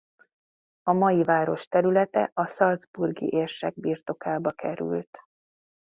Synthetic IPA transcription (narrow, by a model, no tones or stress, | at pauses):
ɒmɒjivaːɾo̞ʃt̪ɛɾylɛt̪ɛ̰ʔɒsɒld̪zburɡḭʔeːrʃɛɡ̚biːrt̪o̞kaːbɒkɛɾy̰lt̪